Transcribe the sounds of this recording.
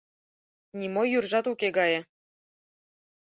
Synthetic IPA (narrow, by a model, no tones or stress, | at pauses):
nʲimojyrʒɑt̪ukeɡɑjɤ̆